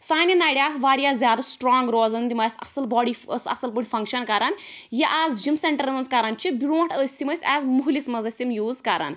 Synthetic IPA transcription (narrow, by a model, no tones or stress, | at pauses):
saːninaɽʲijaːsʋaːɾjazʲjaːd̪ɐsʈɾɔːŋɡɾoːzɐnd̪imɐsɐ̰sɐlbɔɽiə̰sɐ̰sɐlp̬uɽʲfɐ̃ŋkʃɐnkaɾanjiʔazd͡ʒimseɳʈəɾmɐnzkaɾant͡ʃibiɽoːʈʰəsʲimɐsʲɛːzmuɦulismɐzɐsʲimjuːzkaɾa̰n